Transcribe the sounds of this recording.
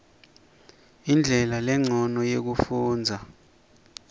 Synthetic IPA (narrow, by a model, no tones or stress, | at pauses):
ind͡ɮʱɛlalɛŋ͡ǀʱɔnɔjek̬ufuːnd͡zʱa